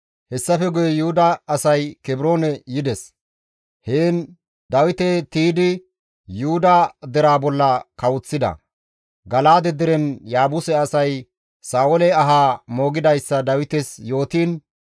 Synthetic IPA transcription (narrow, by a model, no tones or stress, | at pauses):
hɛsːɐfɛɡʊjɛjʊhʊd̪ɐːsɐjkɛbɪɾo̞ːnɛjɪd̪ɛs | heːn | d̪ɐwɪt̪ɛt̪iːd̪ɪ | juhʊd̪ɐd̪ɛɾaːbɔlːɐkɐwʊt͡sːɪd̪ɐ̰ | ɡɐlaːd̪ɛd̪ɛɾɛnjaːbʊsɛɐsɐj | saːwɔlɛɐɦaːmo̞ːɡɪd̪ɐjsːɐd̪ɐwɪt̪ɛsjo̞ːt̪iːn